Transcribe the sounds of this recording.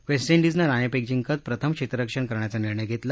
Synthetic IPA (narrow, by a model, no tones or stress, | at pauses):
ʋesʈiɳɖid͡znaɾanepek̚d͡ʑiŋkət͡s̪pɾət̪ʰəmkɕet̪ɾəəkʂəɳkəɾɳjat͡saniɾɳəjɡʱet̪la